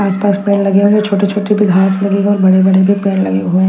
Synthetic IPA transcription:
aːspaːspɛːnlɐɡeɦuet͡ʃʰoːʈet͡ʃʰoːʈebʱiɡʱaːslɐɡeɔːɾbɐɽebɐɽebʱipɛːnlɐɡeɦuẽː

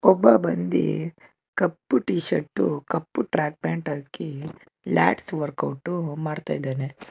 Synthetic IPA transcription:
ɔbːɐbɐnd̪ḭ | kɐpːuʈiːʃɐʈːṵkɐpːuʈɾaːk̚peɳʈaːki | la̰ːʈsʋɐɾkɐwʈːumaːɽt̪aːjd̪aːne

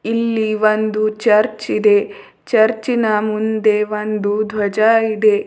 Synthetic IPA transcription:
ilːiʋɐnd̪ut͡ʃɐɾt͡ʃid̪e̞ | t͡ʃɐɾt͡ʃinɐmund̪e̞ʋɐnd̪ud̪ʱʋɐd͡ʒaid̪e̞

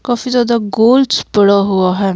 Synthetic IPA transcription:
kaːfizaːd̪aɡoːlɖspəɽaɦuaɦɛː

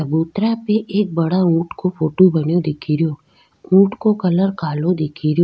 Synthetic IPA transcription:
ɐbuːt̪ɾapeʔeːk̚bɐɽaũːʈkopʰoːʈobɐnjod̪ɪkʰiɾjoː | ũːʈkokɐləɾkʰaːlod̪ɪkʰiɾjo

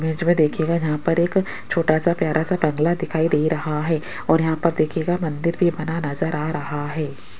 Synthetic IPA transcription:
meːd͡ʒmẽd̪eːkʰeːɡajɐɦãpɐɾeːk | t͡ʃʰoːʈasapjaːɾʔasabɐ̃ŋɡlad̪ɪkʰaːid̪eːiɾɐɦaɦɛː | ɔːɾjɐɦãpɐɾd̪eːkʰeːɡamɐ̃nd̪ɪɾbʱibɐnanɐzəɾaːɾɐɦaɦɛː

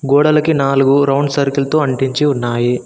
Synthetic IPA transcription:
ɡɔːɽɐlɐkinaːluɡuɾɐwɳɖsɐɾkilt̪oːɐɳʈiɲt͡ʃiunːaːji

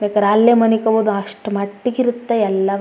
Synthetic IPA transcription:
beːkɐɾaːljemɐnikɐʋod̪uɐʂʈɐmɐʈːiɡiɾut̪ːeɛlːɐ

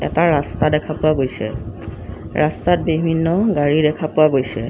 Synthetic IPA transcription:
ɛ̰taɹastadɛkʰapʊwaɡojsɛ̰ | ɹastat̚bibʱinːɔɡaɹidɛkʰapʊwaɡojsɛ̰

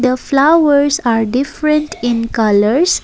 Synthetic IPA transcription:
d̪əflaəɾsaɾɖifɾə̃ɳʈĩnkaləɾs

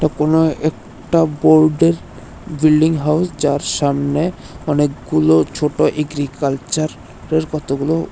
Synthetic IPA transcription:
ʈakonoɛk | ʈaboɾɖeɾ | bilɖiŋɦawsd͡ʑaɾʃamne | ɔnekɡulot͡ɕʰoʈoʔeɡɾikalt͡ɕaɾː | eɾkɔt̪ʰoɡulo

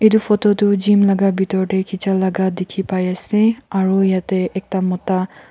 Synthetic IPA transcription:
edufʰɔtɔtud͡ʒimlaɡabʱitɔɹɔʈɛkʰit͡ʃalaɡad̪ekʰipajasɛaɹuejatɛʔɛk̚tamɔta

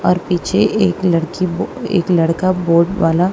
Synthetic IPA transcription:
ɔːɾpiːt͡ʃʰeːklɐɽkiḛːklɐɽkaboːɾɖʋaːla

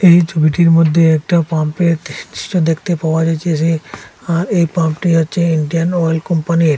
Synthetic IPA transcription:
ejt͡ɕʰubiʈiɾmod̪ʱːeɛk̚ʈapampet̪d̪iʃt͡ʃod̪ekʰt̪epaoad͡ʑaet͡ɕʰesʰeaɾejpampʈiɦotːɕʰeiɳɖianɔjlkɔmpaniɾ

